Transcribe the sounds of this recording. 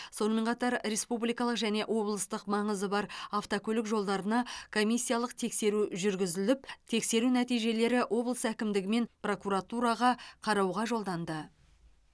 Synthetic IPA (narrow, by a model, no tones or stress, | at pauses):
so̞nəme̞ɴqʰɑt̪ɑɾɾe̞spublijkɑlˠəqʒæne̞ʔwo̞blˠəst̪əqmɑɴəzəbɑɾaft̪okʲʰɵlɪkʒo̞lˠd̪ɑɾənɑkʰo̞mʲijsʲːijalˠəqt̪ʰe̞kse̞ɾuʒʏɾɡʲɪzɪlɪpt̪ʰe̞kse̞ɾunæt̪ijʒe̞le̞ɾɪwʔo̞blˠəsækʲɪmd̪ɪɡʲɪme̞npro̞kuɾat̪uɾɑʁɑqʰɑɾɑwʁɑʒo̞lˠd̪ɑnd̪ə